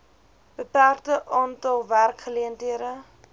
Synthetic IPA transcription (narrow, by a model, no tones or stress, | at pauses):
b̥əpæːrtəʔɑːntɐlˠværkχəliəntɦiəɾə